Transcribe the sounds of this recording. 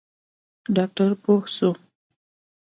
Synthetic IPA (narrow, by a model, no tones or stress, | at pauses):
ɖɑk̚ʈaɾpohso